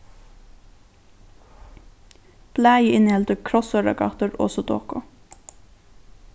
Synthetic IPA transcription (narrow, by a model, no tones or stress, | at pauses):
b̥læːjəɪnhɛlt̪əkʰɾɔsœɹɑ̰ɡɑ̰t̪əɾɔ̰ːsɔd̪o̰ːkʊ